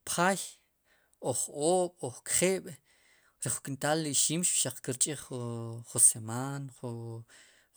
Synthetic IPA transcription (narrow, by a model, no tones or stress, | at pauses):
pχaj | oχoːɓ̥oχkχeːɓ̥ | ɾeχukʼint̪aːlːiʃiːmʃpʃaq͡χkiɾt͡ʃʼiχχusemaːnχu